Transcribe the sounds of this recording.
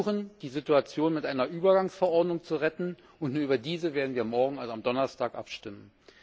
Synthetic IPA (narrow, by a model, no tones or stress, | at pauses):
χənd̥iːzɪtuat͡sjoːnmɪtʔaɪnɐʔyːbɐɡaŋsfɛɐʔɔɐdnʊŋt͡suʁɛtn̩ | ʔʊntnuːɐyːbɐdiːzəveːɐdn̩viːɐmɔɐɡŋ̩alzamdɔnɐstʰaːkʔa̰pʃtɪmən